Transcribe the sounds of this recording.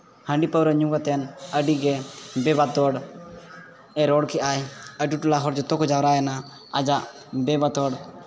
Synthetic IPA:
həɳɖipəwɾəɲuŋɡat̪ɛnəɖiɡɛbɛbat̪ɔɽ | ɛɾɔɽkʰɛʔajəɖiʈulaɦɔɾd͡ʒɔt̪ɔkɔd͡ʒawɾajana | a̰d͡ʒaʔ | bɛbat̪ɔɽ

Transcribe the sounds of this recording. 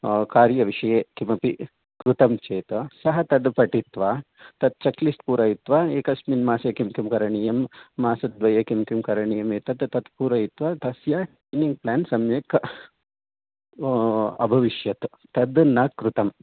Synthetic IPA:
kaːɾjɐʋiʂɐjeːkimɐpi | kɾut̪ɐmt͡ʃeːt̪ɐsɐɦɐt̪ɐd̪pɐʈit̪ʋaː | t̪ɐd̪̚t͡ʃɐklisʈ̪puːɾɐːjit̪ʋaːeːkɐsminmaːsekimkimkɐɾɐɳijɐmːaːsɐd̪̚ʋɐjekimkimkɐɾɐɳijɐmeːt̪ɐd̪t̪ɐd̪puːɾɐːjit̪ʋaːt̪ɐsjaːʈeniŋɡ̚plaːnsɐmjeːk | ɐ̰bʱɐʋiʃjɐt̪ | t̪ɐd̪nakɾut̪ɐm

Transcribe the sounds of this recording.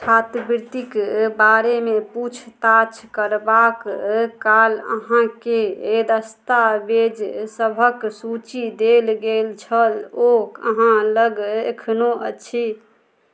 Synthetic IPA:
tʰat̪biɾt̪ikbaɾemeput͡ʃʰt̪at͡ʃʰkəɾbakkalə̰ɦãkeːd̪əst̪abed͡ʒsəbʱəksut͡ʃid̪elɡelt͡ʃʰəlokəɦãləɡekʰnoʔət͡ʃʰi

